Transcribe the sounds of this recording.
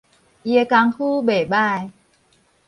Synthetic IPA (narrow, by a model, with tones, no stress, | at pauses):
ʔi˧e˧ka˧ŋhu˦be˨˩ba˥˧˨j